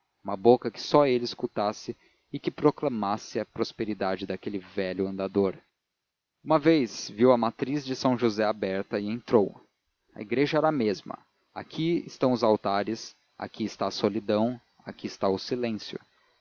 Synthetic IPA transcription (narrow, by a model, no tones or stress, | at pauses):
ũmɐbokɐkɪ̥sɔelɪɪskut̪asɪ | ɪkɪpɾoklɐmasɪɐpɾospeɾid̪ad͡ʒɪd̪akelɪvɛʎʊɐ̃nd̪ad̪oɾ | ũmɐvejzviwɐmat̪ɾizd͡ʒɪsɐ̃w̃ʒuzɛabɛɾt̪ɐɪẽnt̪ɾow | ɐ̰iɡɾeʒɐɛɾɐmezmɐ̰ | a̰kʰiɪ̰st̪ɐ̃w̃ʊzawt̪aɾɪs | a̰kiɪst̪asolid̪ɐ̃w̃ | a̰kiɪst̪aʊsilẽsjʊ̰